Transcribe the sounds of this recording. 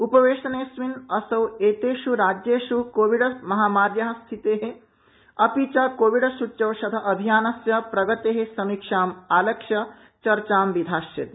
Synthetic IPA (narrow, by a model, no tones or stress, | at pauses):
upɐʋeːʃɐneːsʋinɐsɐweːt̪eːʃuɾaːd͡ʒjeːʃukoːʋiɽɐmɐɦaːmaːɾjɐɦɐst̪ʰit̪eːɦe | ɐpiːt͡ʃaːkoːʋiɽɐʃutːt͡ʃɐwʃɐd̪ʱɐʔɐbʱijaːnɐsjɐpɾɐɡɐt̪eːɦesɐmikʂaːmaːlɐkʂɐ | t͡ʃɐɾt͡ʃaːmʋid̪ʱaːʃjɐt̪i